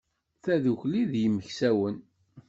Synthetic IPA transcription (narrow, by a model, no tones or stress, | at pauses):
θæðuçliðjəməçsæwən